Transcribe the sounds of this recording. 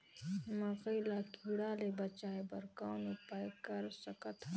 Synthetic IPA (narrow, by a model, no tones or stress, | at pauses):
mɐqɐjlaːkʰiɽaːlebɐt͡ʃaːebɐɾkawnupaːjkɐɾsɐkɐt̪ʰ